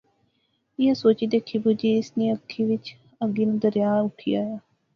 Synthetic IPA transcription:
ɪjaːsoːt͡ʃiːd̪eːkʰiːbud͡ʒiːɪsniːəkʰːiːʋɪt͡ʃ | əɡiːnũd̪əɾɪjaːʊʈʰḭːaːjaː

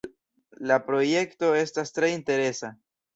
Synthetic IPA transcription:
lapɾo̞je̞kto̞e̞stastɾe̞inte̞ɾe̞sa

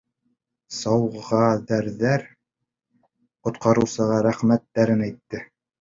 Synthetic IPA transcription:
sɑwʁɑðæɾðæɾ | qŏt̪qɑɾɤ̆wsɤ̆ʁɑɾæχmæt̪ːæɾɘnæjt̪ːɘ

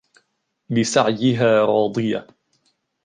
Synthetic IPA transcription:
bɪsaʕjɪɦaːɾˤɑːd̪ˤɨja

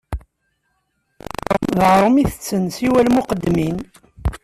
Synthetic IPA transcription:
mðʁɾˤəmiθət͡sːənsiwælmuqəd̪ːmin

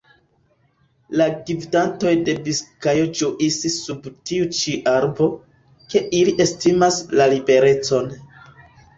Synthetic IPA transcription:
laɡividanto̞jde̞biskajod͡ʒuʔisisubtiut͡ʃiʔaɾbo̞ | ke̞ʔiliʔe̞stimaslalibe̞ɾe̞t͡so̞n

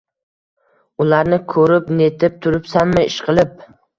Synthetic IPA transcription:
ʊlaɾnɪkʰɵɾɪpnet̪ʰɪp̚t̪ʰʊɾɪpsanmɪɪʃqʰɨlˠɪp̚

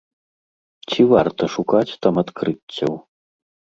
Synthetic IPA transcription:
t͡sʲivart̪ɐʂukat͡sʲt̪amat̪kɾɨt͡sʲːɐ̰w

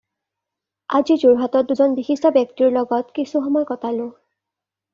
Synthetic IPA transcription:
azizuɹɦatɔt̚duzɔnbixistɔbjɔk̚tiɹlɔɡɔtkisuxɔmɔjkɔtalʊ̃

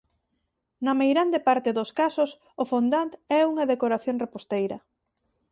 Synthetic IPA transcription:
nɐmejɾand̪epaɾt̪ɪðʊskasʊs | ʊfond̪ant̪ɛuŋɐðekoɾaθjoŋrepost̪ejɾɐ̰

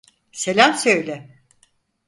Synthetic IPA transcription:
se̞lʲamsø̞jlʲɛ

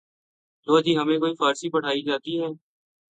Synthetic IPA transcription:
t̪oːəd͡ʒiːɦəmẽkoːifaːɾsipəɽ̤aːid͡ʒaːt̪iɦɛː

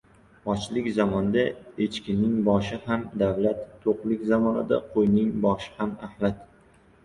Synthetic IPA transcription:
ɒt͡ʃlɪkʲzɒmɒnd̪aet͡ʃkʲɪnɪŋbɒʃɪhamd̪avlat̪ʰːoqlɪkʲzamɒnɪd̪a̰qʰojnɪŋbɒʃɪ̥hamahlat̪

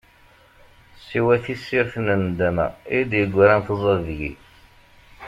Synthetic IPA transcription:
sːiwæθisːiɾθnənd̪æmæ̰id̪jəɡʷːæɾænθəzˤəðʝḭ

